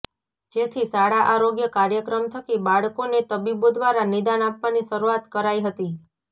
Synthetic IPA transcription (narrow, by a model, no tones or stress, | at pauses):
d͡ʒet̪ʰisaɽaʔaɾoɡjəkaɾjəkɾəmt̪ʰəkibaɭkonet̪əbibod̪ʋaɾanid̪anapʋaniʃəɾuat̪kəɾaiɦət̪i